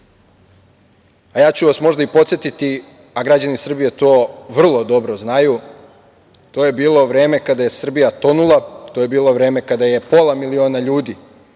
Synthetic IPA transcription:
ajaːt͡ɕuʋasmo̞ʒd̪aipo̞t̪sje̞t̪it̪i | aɡɾad͡ʑanisr̩bije̞t̪o̞ːʋr̩lˠo̞d̪o̞bɾoznaju | t̪oːje̞biːlˠo̞ʋɾeːme̞kad̪aje̞sr̩bijat̪o̞nulˠat̪oːje̞biːlˠo̞ʋɾe̞ːme̞kad̪aje̞po̞lˠamilio̞ːnaʎuːd̪i

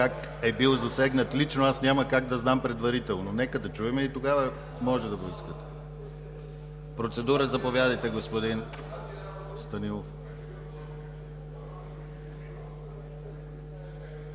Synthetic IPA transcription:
ak | ɛbilˠzɐsɛɡnət̪lit͡ʃnoasnʲaməkaɡ̚d̪ɐznampɾɛd̪vɐɾit̪ɛlˠnonɛkəd̪ɐt͡ʃuɛmɛit̪oɡavə | mɔʒɛd̪ɐboiskət̪ | pɾot̪sɛd̪uɾəzɐpovʲjad̪ɐjt̪ɛɡospod̪in | st̪ɐnilˠof

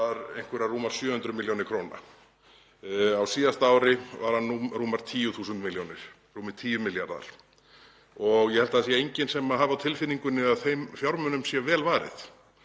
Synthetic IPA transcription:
aɾejn̥kvɛɾaruːmaɾ̥sjœːhʏnt̪ɾʏmɪljownɪɾkʰɾoːna̰ | awsiːðast̪aaːwɾɪvaɾ̥hanːuruːmaɾ̥t̪ʰiːjʏθuːsʏnt̪mɪljownɪɾ̥ | ruːmɪt̪ʰiːjʏmɪljaɾða̰ɾ̥ | ɔɣjɛhɛlt̪aðsijaejɲcɪnsɛmaɦaðvɪawt̪ʰɪlfɪnːiŋkʏnːɪaðθejmfjawɾmœnʏmsjɛvɛːlvaːɾɪ̰θ

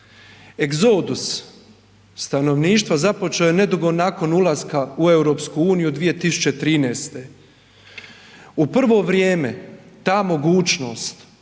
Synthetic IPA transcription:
eɡzo̞ːd̪us | t̪ano̞ʋniːʃt̪ʋazapo̞t͡ʃeojene̞d̪uɡo̞naːko̞nulˠaskaue̞wɾo̞pskuuːnijud̪ʋije̞t̪isu̥t͡ɕet̪ɾiːneːst̪e̞ | upr̩ʋo̞ːʋɾjeːme̞t̪aːmo̞ɡuːt͡ʃno̞̰ːst̪

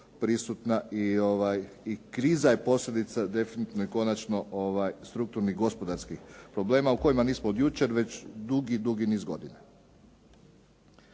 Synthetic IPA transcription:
pɾisut̪naio̞ʋaj | ikɾiːzajepo̞sʎʲe̞d̪it̪sad̪e̞finit̪inojiko̞nat͡ʃno̞oʋajst̪ɾuk̚t̪uɾniɣɡo̞spo̞d̪aɾskixpɾo̞ble̞ːmauko̞jimaniːsmood̪jut͡ʃe̞ɾʋe̞t͡ɕd̪uɡid̪uɡinizɡo̞̰d̪ine

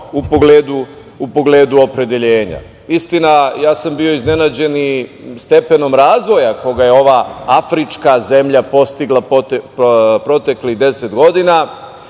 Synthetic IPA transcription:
upo̞ɡleːd̪u | upo̞ɡleːd̪uo̞pɾe̞d̪eʎeːɲa̰ | ist̪inajaːsambio̞izne̞nad͡ʑe̞ni | st̪e̞pe̞no̞mɾaːzʋo̞jako̞ɡaje̞o̞ʋaafɾit͡ʃkaze̞mʎapo̞st̪iɡlˠa | pɾo̞t̪e̞kliɣd̪e̞se̞t̪ɡo̞d̪ina

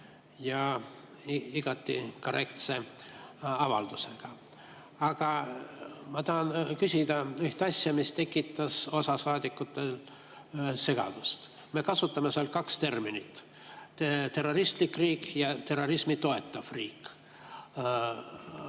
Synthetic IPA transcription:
jɑ | iɡ̥ɑt̪ːḭko̞ɾe̞kt̪se̞ | ɑvɑ̰ld̪̥use̞ɡ̥ɑ | ɑɡ̥ɑ | mɑt̪ɑɦɑnkysʲid̪ɑyht̪ɑsʲjɑmist̪e̞kːˑit̪ːˑɑso̞sɑsɑːd̪̥ikːˑut̪ːˑel | se̞ɡ̥ɑ̰d̪̥ust̪ | me̞kɑsut̪ːˑɑmeseɑlt̪kɑkst̪e̞rminit̪ː | t̪e̞rːo̞ɾist̪likːriːkjɑt̪e̞ro̞ɾismit̪o̞e̞t̪ːˑɑv̥riːk

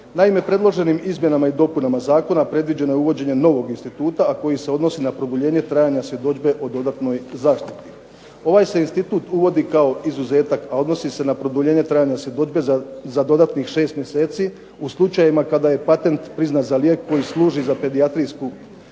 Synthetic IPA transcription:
naime̞pɾe̞d̪lˠo̞ʒe̞nimizmje̞namaid̪o̞punamazaːko̞napɾe̞d̪ʋid͡ʑe̞no̞jeuʋo̞d͡ʑe̞ɲe̞no̞ʋo̞ɡinst̪it̪uːt̪aːko̞jise̞o̞d̪no̞sinapɾod̪uʎe̞ːɲe̞t̪ɾaːjaɲasje̞d̪o̞d͡ʒbe̞ʔo̞d̪od̪at̪no̞jzaːʃt̪it̪i̥ | o̞ʋaːjseinst̪it̪uːt̪uʋo̞d̪ikao̞izuze̞ːt̪akao̞d̪no̞sise̞napɾo̞d̪uʎe̞ːɲe̞t̪ɾajaɲasje̞d̪od͡ʒbe̞zad̪o̞d̪at̪nixʃe̞ːst̪mʲje̞se̞ːt̪si | uslˠut͡ʃajimakad̪aje̞pat̪e̞nt̪pɾiznat̪zalje̞ːkʰːo̞jislˠuːʒizape̞d̪iat̪ɾijsku

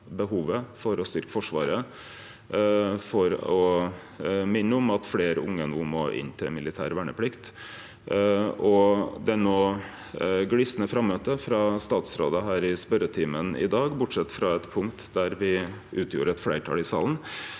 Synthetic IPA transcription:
bəhuːʋəfɔɾɔst̪ʏɾkə̥fɔʂʋɑ̰ːɾə | fɔɾɔ | mɪnːəʊmɑt̪fleːɾəʊŋːənumo̰ːʔɪ̰nːt̪ʰɪlmɪlɪt̪ʰæ̰ːɾʋæɳəpʰlɪkt̪ | ɔd̪ɛɾnoː | ɡlisnəfɾɑmːøːt̪əfɾɑst̪ɑːt̪sɾo̰ːd̪əɦæːɾɪspœɾət̪ʰiːmənɪ̰d̪ɑːɡbʊʈʂɛt̪ːfɾɑɛt̪pʰʊŋkt̪d̪æɾʋɪ | ʉːt̪ʰjṵːɾəɛt̪flæɪʈʰɑ̰lɪsɑ̰ːln̩

